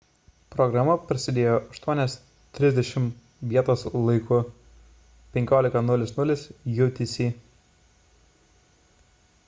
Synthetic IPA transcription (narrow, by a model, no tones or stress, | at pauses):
pɾɔɡɾɑmɐpɾɐsʲɪd̪ʲeːjoːʔɐʃt̪uɔnʲɛs | t̪ʲɾʲɪzʲd̪ʲɛʃʲɪm | ʋʲiɛt̪oːslˠɐɪkʊ | pʲɛŋʲkʲoːlʲɪkɐnʊlʲɪsnʊlʲɪsjut̪ʲisʲi